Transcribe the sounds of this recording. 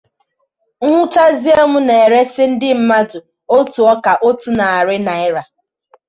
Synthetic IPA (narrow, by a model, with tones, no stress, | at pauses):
ŋ̩ʷʊ˦t͡ʃa˦zi˦o˦mʊ˦ne˨e˨ɾe˦sɪ˦n̩˦dɪ˦m̩˦ma˦dʊ˨ | o˦tu˨ɔ˦ka˨ʔo˦tu˨na˨a˨ɾɪ˦na˨ɪ˦ɾa˨